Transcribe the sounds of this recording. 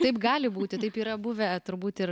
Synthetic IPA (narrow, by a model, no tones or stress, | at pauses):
t̪ɐɪpɡɑːlʲɪbuːt̪ʲɪt̪ɐɪpiːɾɐbʊʋʲɛt̪ʊɾbuːt̪ɪɾ